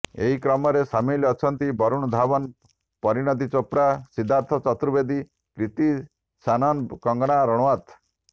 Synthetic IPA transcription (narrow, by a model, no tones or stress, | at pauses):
ḛɦikɾɔmɔɾesamilɔt͡ʃʰɔnt̪ibɔɾuɽ̃ɔd̪ʱabɔn | pɔɾiɽ̃ɔd̪it͡ʃopɾasid̪ʱːaɾt̪ʰɔt͡ʃɔt̪ɾubed̪i | kɾit̪i | sanɔnkɔŋɡɔɽ̃aɾɔɽɔwat̪